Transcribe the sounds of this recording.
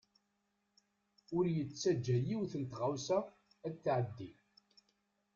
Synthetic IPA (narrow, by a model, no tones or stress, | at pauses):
ʊɾjət͡sːæd͡ʒːæjiwθənt̪ʁawsæː | t͡s̪ːʕəd̪ːi